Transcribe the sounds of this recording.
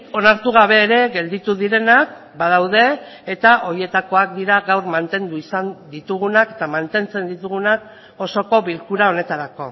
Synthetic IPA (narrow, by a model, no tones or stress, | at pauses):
o̞naɾt̪uɣ̞aβe̞ːɾe̞ɣe̞ld̪it̪uðiɾe̞nak | baðawðe̞ː | t̪aʔo̞ɾie̞t̪ako̞ak̚d̪iɾaɣawɾmant̪e̞nd̪uisand̪it̪uɣ̞unake̞t̪amant̪e̞nt͡se̞nd̪it̪uɣunak | o̞so̞ko̞βilkuɾao̞ne̞t̪aɾako̞̰